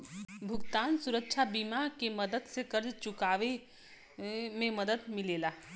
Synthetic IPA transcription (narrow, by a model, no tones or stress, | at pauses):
bʱuɡt̪ansuɾək̚t͡ʃʰabimakeməd̪əd̪sẽkəɾd͡ʒt͡ʃukaʋe | meməd̪əd̪milela